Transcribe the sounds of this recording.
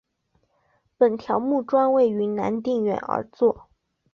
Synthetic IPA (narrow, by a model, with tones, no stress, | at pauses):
pə˨˩nt̪ʰjɑ˧˥ʊmu˥˩ʈ͡ʂwa˥nwe˥˩ɪy˧˥na˧˥nt̪i˥˩ŋɥɛ̰˨˩nə̰˧˥t͡swɔ˥˩